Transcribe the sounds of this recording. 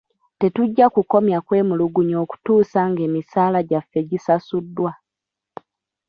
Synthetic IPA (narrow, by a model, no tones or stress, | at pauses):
te̞tuɟːakuko̞mjakwe̞ːmuluɡuɲo̞ːku̥tuːsaŋɡe̞ːmisaːlaɟafːe̞ɟisasudːwa